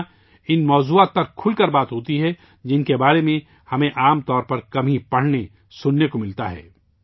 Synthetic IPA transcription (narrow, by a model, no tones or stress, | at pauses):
ɪnmɔːzuaːt̪̚pɐɾkʰʊlkɐɾbaːt̪ɦoːt̪iɦɛ | d͡ʒɪnkebaːɾemẽ | hɐmẽʔaːmt̪ɔːɾpɐɾkɐmʱĩpɐɽ̤ne | sʊnːekomɪlt̪aɦɛ̰ː